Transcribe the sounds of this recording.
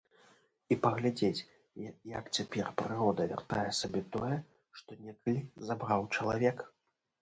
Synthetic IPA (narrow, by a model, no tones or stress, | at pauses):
ipɐɣlʲad͡zʲet͡sʲ | jɐkt͡sʲapʲɛrpɾɨɾɔd̪ɐvʲa̰rt̪ajɛsabʲɛt̪ɔjɛ | ʂt̪ɔnʲɛkɐlʲizabɾawt͡ʂɐlˠavʲɛk